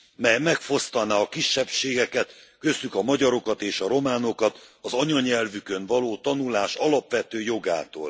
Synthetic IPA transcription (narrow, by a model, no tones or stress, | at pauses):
mɛjmɛkfo̞st̪ɒnaːɒkiʃːɛpʃeːɡɛkɛt̪kø̞sykɒmɒɟɒɾo̞kɒt̪eːʃɒɾo̞maːno̞kɒt̪ɒzɒɲɒɲɛlvykønvɒloːt̪ɒnulaːʃɒlɒpʋɛt̪øːjo̞ɡa̰ːt̪o̰ːl